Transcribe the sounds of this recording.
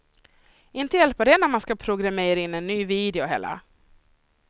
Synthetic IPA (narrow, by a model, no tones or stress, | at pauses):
ɪnt̪əjɛlpəɖɛnæɾmanskapʰɾʊɡɾameːɾaɪnːɛnːyːviːd̪ɛʊɦɛ̰ːla̰